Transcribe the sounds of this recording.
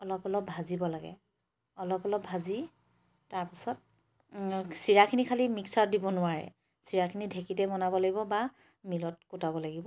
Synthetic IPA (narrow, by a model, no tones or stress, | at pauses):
ɔlɔpɔlɔpazibɔlaɡɛ̰ | ɔlɔpɔlɔp̚bʱazi | taɹpisɔt̚ | siɹakʰinikʰalimiksaɹdibɔnʊwaɹɛ̰ | siɹakʰinidʱekitɛmɔnabɔlaɡibɔba | milɔt̚kutabɔlaɡibɔ